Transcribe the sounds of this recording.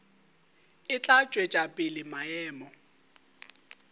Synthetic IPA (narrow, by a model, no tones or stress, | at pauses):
ɪt͡ɬʼat͡ʃʼwet͡ʃʼapʼɪlɪmaɛːmɔ